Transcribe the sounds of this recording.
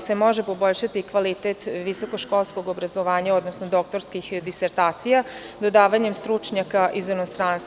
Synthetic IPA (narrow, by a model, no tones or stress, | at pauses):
se̞mo̞ʒepo̞bo̞ʎʃat̪ikʋalit̪eːt̪ʋiso̞ko̞ʃko̞lˠsko̞ɡobɾazo̞ʋaːɲao̞d̪nosnod̪o̞k̚t̪o̞ɾskixd̪iseɾt̪aːt̪sija | d̪o̞d̪aːʋaɲe̞mst̪ɾut͡ʂɲakaʔizinost̪ɾaːnst̪